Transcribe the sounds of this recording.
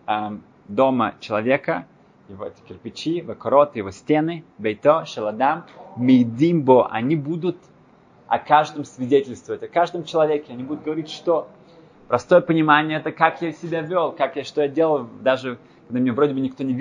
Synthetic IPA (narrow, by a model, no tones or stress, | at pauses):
am | d̪o̞mə̰t͡ɕɪlˠɐvʲe̞kə | jɪvoɛtʲɪ̥kʲɪrpʲɪt͡ɕivɐkɐɾo̞t̪ɨjɪvo̞sʲtʲenɨbejt̪oʂəlˠɐd̪amːʲɪjd̪ʲimboʔɐ̰nʲibud̪ʊt̪ | ɐ̰kaʐd̪əmsvʲɪdʲetʲɪlʲst̪vəvətʲɐkaʐd̪əmt͡ɕɪlˠɐvʲekʲɪɐnʲibud̪ʊt̪̚ɡəvɐɾʲitʲʂt̪o̞ | pɾɐst̪o̞jəpənʲɪmanʲɪjəɛt̪əkakjasʲɪbʲavʲolˠkakjaʂt̪o̞jadʲelˠəlˠd̪aʐɨ | kɐɡ̚d̪amʲɪnʲavɾʲo̞dʲɪbɨnʲɪk̚t̪onʲɪvʲ